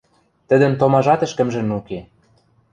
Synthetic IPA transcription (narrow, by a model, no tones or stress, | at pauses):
t̪ə̆d̪ə̆mt̪omɑʒɑt̪ə̆ʃkə̆mʒə̆nuke